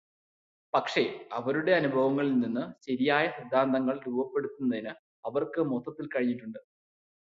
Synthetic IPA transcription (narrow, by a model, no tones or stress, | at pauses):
pɐkʂe̞ɐʋɐɾuɽe̞ɐnubʱɐʋɐŋːɐɭilninːɨɕɐɾijaːjɐɕid̪ʱːaːnd̪ɐŋːɐɭɾuːbɐpːe̞ɽut̪ːunːɐðinɨ | ɐʋɐrkɨmot̪ːɐt̪ːilkɐɻiɲːiʈːuɳɖɨ